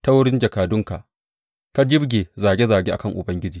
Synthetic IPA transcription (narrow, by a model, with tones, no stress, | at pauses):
ta˦wʊ˦ɽɪ˦nd͡ʒɐ˨kaː˨dʊ˦ŋka̰˨ʔ | ka˦d͡ʒɪ˦bɡʲeː˨zaː˨ɡʲe˦zaː˨ɡʲeː˦ʔa˨kɐ˦˨ŋʔʊ˨bɐ˦ŋɡʲɪ˦d͡ʒiː˨